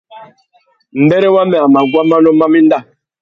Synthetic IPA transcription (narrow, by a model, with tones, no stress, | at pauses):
m̩˨bɛ˦ɾɛ˦wa˦mɛ˨a˨ma˨ɡwa˦ma˦nɔ˦ma˦mi˦n˦da˦˨